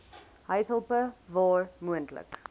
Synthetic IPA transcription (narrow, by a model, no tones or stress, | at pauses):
ɦəjsəlˠpəvɑːrmuəntlə̰k